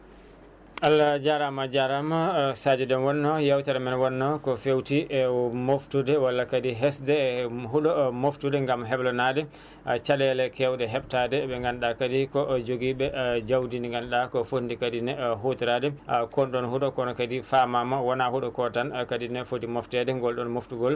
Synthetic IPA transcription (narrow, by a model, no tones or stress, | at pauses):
ʔalːad͡ʒaɾamad͡ʒaɾamasad͡ʒɛdɛnwɔnːɔjawtaɾamɛnwɔnːɔkɔfewtimoftudɛwalːakadiɦɛsdɛɦuɗɔmoftudɛŋɡamɦɛblɔnadɛ | t͡ʃalɛlɛkɛwdɛɦɛɓtadɛɓɛŋɡanɗakadikɔd͡ʒoɡibɛd͡ʒawdiniŋɡanɗakɔfondikadinɛɦotiɾadɛkɔnɗɔnhuɗɔkɔnɔkadifamamawɔnahuɗɔkɔtankadinɛfotimɔftɛdɛŋɡɔlɗɔnmoftuɡɔl